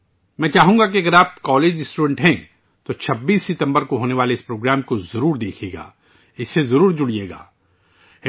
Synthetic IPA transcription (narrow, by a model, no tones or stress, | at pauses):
mɛ̃ːt͡ʃaːɦũːŋɡakiɐɡəɾaːp̚kɔːleːd͡ʒɪsʈuːɖɛ̃ɳʈɦɛ̃ː | t̪ot͡ʃʰɐbːiːsːɪt̪ɐ̃mbəɾkoɦoːneʋaːleɪspɾoːɡɾaːmkozɐɾuːɾd̪eːkʰeːɡa̰ː | ɪsːezɐɾuːɾd͡ʒʊɽijeːɡa̰ː